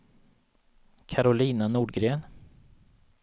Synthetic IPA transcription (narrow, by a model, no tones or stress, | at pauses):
kʰaɾʊliːnanuːɖɡɾeːn